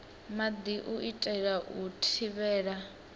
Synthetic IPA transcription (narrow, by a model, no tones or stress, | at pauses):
mad̪iʔuʔitʼɛɺaʔutʰiβɛːɺa